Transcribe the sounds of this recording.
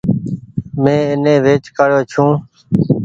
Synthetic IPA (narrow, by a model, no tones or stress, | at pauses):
mẽːɪnẽːʋeːt͡ʃkaːɽjoːt͡ʃʰũː